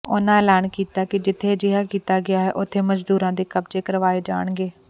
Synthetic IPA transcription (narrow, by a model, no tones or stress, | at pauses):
ʊnãːɛːlɛːɳkiːt̪aːkɪd͡ʒɪt̪ʰːeːd͡ʒɪɦaːkiːt̪aːɡɪjaːɦɛːʔʊt̪ʰːeːməd͡ʒd̪uːɾãːd̪eːkəbd͡ʒeːkəɾʋaːeːd͡ʒa̰ːɽ̃ɡeː